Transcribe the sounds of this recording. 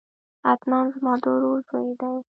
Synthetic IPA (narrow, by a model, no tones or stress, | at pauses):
at̪nɑnzmɑd̪oɾzojed̪aj